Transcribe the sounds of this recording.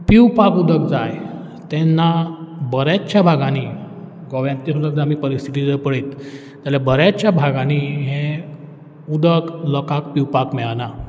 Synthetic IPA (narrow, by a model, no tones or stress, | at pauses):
piwpakud̪əkd͡zaj | t̪ɛnːabəɾjat͡ɕjabʱaɡaniː | ɡɔʋjãnt̪isud̪ək̚d͡zamiːpəɾist̪ʰit̪id͡zəpəɭet̪ː | aljabəɾjat͡ɕjabʱaɡaniɦẽ | ud̪əklɔkak̚piwpakmɛɭana